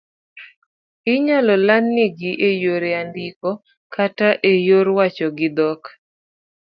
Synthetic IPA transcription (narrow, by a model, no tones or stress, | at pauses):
ɪɲalɔlanːɪɡɪʔejoɾeandɪkɔ | kataʔejoɾwat͡ʃɔɡɪd̪ɔk